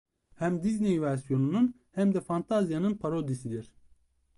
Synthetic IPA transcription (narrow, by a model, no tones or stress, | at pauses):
hæmd̪iznejvæɾsjo̞nunun | hæmd̪ɛfant̪ʰazijanɯnpʰaɾod̪isid̪iɾ̥